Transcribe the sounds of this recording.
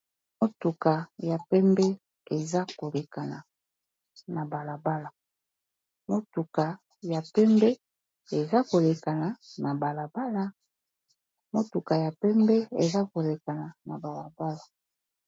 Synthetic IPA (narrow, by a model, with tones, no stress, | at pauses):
mo˦tu˨ka˨ja˨pɛ˦mbɛ˦ | e˨za˦ko˨le˨ka˨na˨ | na˨ba˨la˨ba˦la˨ | mo˦tu˨ka˨ | ja˨pɛ˦mbɛ˦ | e˨za˦ko˨le˨ka˨na˨na˨ba˨la˨ba˦la˦ | mo˦tu˨ka˨ja˨pɛ˦mbɛ˦ḛ˨za˦ko˨le˨ka˨na˨na˨ba˨la˨ba˦la˨